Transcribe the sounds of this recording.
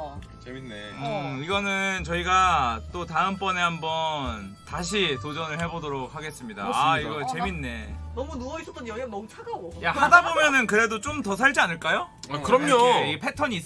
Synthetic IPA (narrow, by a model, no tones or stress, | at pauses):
t͡ɕeieʌiɡʌnɯnt͡ɕʌiɡat͈otaɯmp͈ʌnehambʌntaɕ̬ʰitod͡ʑʌnɯɭɦe̞bodoɾok̚haɡe̞s͈ɯmɲida̰aiɡʌt͡ɕe̞minːe̞nʌmunuʌis͈ʌt͈ʌɲoanʌmut͡ɕʰadaɡojahadabomjʌnɯnkɯɾe̞dot͡ɕ͈omtʌs̬ʰaɭd͡ʑianɯɭk͈ajokɯɾʌmɲoipʰe̞tʰʌɲiːs